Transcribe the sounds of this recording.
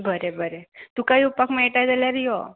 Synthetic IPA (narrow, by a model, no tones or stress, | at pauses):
bʱəɾebʱəɾet̪ũkaiupakmaeʈajd͡ʒəljaɾio̰